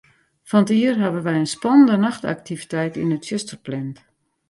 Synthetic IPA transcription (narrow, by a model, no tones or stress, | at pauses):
fɔntiərɦaʋənʋɛjənspɔnəndənaxta̰k̚tʰivitɛjtinətfjøstərplɛnt